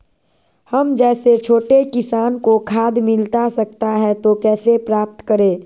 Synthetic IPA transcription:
həmd͡ʒɛːset͡ʃʰoːʈekɪsaːnkokʰaːd̪mɪlt̪asək̚t̪aɦɛt̪okɛːsepɾaːp̚t̪kəɾẽː

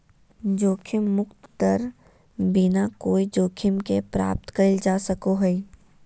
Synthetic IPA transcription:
d͡ʒoːkʰɪmːʊkt̪t̪əɾ | binakoːid͡ʒoːkʰɪmkepɾa̰ːp̚t̪kəɾɪld͡ʒaːsəkoɦɛi

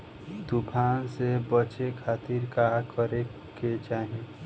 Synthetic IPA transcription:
t̪ʊpʰaːnsebət͡ʃekʰaːt̪iɾkakəɾe | ket͡ʃaːɦie

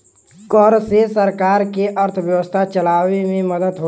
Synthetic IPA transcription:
kɔːɾsesəɾkaːɾkeʔəɾt̪ʰʋjəʋəst̪ʰat͡ʃəlaːʋemẽməd̪əd̪ɦo

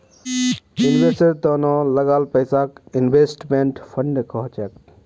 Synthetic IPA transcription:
junbeseɾt̪ɔnɔləɡalpəɪsakinbesʈmeɳʈpʰəɳɖkɔɦt͡ʃek

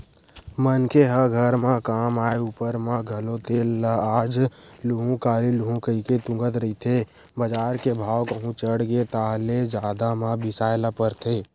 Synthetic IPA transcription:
mənkeɦəɡʱəɾmãkaːmaːeupəɾmãɡʱəlot̪ʰeːlːəaːd͡ʒluɦũkaːliluɦũkəiket̪ʊ̃ŋɡət̪ɾəit̪ʰe | bəd͡ʒaːɾkebʱaːwkəɦũt͡ʃəɽɡet̪aːɦled͡ʒaːd̪amãbɪsaːelapəɾt̪ʰeː

